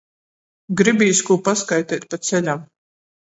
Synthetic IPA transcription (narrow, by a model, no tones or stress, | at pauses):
ɡɾibiːskuːpaskajt̪ɛːt̪̚ʲpat̪t̪sɛlʲam